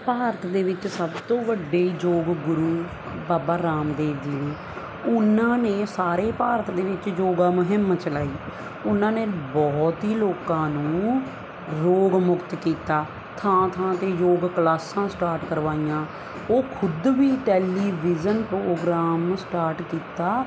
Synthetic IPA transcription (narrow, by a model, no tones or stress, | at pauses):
paːɾət̪d̪eːʋɪt͡ʃsəbt̪õːʋəɖeːid͡ʒoːɡɡʊɾuː | baːbaːɾaːmd̪eːʋd͡ʒ̪iːnẽː | ʊnãːneːsaːɾeːpaːɾət̪d̪eːʋɪt͡ʃjoːɡãːmʊɦɪmt͡ʃəlaːiː | ʊnãːneːbɔːt̪iːloːkãːnũː | ɾoːɡmʊkt̪kiːt̪aː | t̪ʰãːt̪ʰãːt̪eːjoːɡklaːsãːsʈaːɾʈkəɾʋaːijãː | oːkʰʊd̪ʋiːʈɛːliːʋizənpɾoːɡɾaːmsʈaːɾʈkiːt̪aː